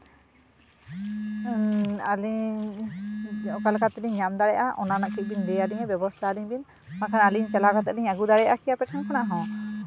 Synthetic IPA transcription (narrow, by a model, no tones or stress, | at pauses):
ali | ɔkalkat̪iliɲɲamd̪aɽɛjʔaʔɔ̰nanaʔkʰit̪̚bind̪ɛjaliɲɛbɔbɔst̪ʰaːliɲbin | makʰanaliɲt͡ʃɛlakat̪ɛʔliɲaɡud̪aɽɛjʔakʰijapɛʈ̚ʰankʰanaɦɔ̃